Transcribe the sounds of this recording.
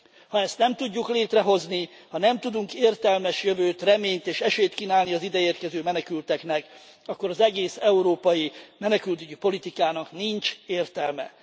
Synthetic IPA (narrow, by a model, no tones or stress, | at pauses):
hɒɛst̪nɛmt̪uɟːukleːt̪rɛɦo̞zni | hɒnɛmt̪ud̪uŋkeːrt̪ɛlmɛʃjøvøːt̪rɛmeːɲt̪eːʃɛʃeːt̪kiːnaːlniɒzid̪ɛeːrkɛzøːmɛnɛkylt̪ɛknɛk | ɒkːo̞ɾɒzɛɡeːsɛuɾoːpɒjimɛnɛkylt̪yɟipo̞lit̪ikaːnɒkniɲt͡ʃeːrt̪ɛlmɛ̰